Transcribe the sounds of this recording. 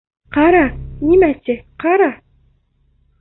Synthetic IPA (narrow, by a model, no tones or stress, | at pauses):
qɑɾɑnʲimæt̪ʲɘqɑɾɑ